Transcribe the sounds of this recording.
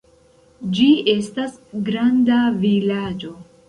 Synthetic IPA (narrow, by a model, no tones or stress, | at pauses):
d͡ʒie̞stasɡɾandavilad͡ʒo̞